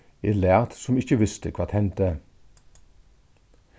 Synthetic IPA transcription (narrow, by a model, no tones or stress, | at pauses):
elæːt̪sʊmɪçəʋɪst̪əkʰʋɑːt̪hɛnt̪ə